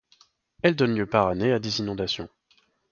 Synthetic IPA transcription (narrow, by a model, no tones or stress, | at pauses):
ɛld̪ɔnljøpaʁanead̪ezinɔ̃d̪asjɔ̰̃